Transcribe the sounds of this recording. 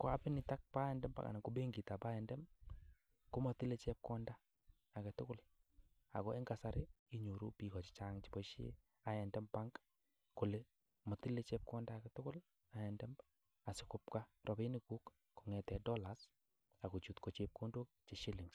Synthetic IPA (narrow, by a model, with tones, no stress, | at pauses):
ko˨a˦pɪ˦nɪ˨ta˦k̚pa˦ɛ˨ndɛ˦mba̰˨ka̰nɪ˨kobe˦ŋɡi˨ta˨pa˦ɛ˨ndɛ˦m | kʊ˦mɔ˨ti˦le˦t͡ʃɛ˦p̚kɔ˦ndaː˦˨ | kɛ˨tʊ˦kʊ˦l | a̰˨kɔ˦ɛ˦ŋɡa˨sa˦ɾɪ˦ | i˦ɲo˨ɾu˦pi˨kɔ˨t͡ʃɪ̥˨t͡ʃa˦ŋt͡ʃi̥˨bɔ˦ʃḛ˦ | a˨jɛ˨ndɛ˦mpaŋɡ | kʊ˨le˦ | mɔ˨ti˦le˦t͡ʃɛ˦p̚kɔ˦ndakɛtʊ˦kʊ˦l | a˨jɛ˨ndɛ˦m | a˨sɪ˨kʊ˦p̚ka˦rʔɔ˨be˦nɪku˦k | ku˨ŋɛ˨tɛ˨dɔ˦la˨s | a˨ko˨t͡ʃu˨tko˨t͡ʃep̚ko˦ndo˦k̚t͡ʃe˨ʃi˦lɪ˨ŋ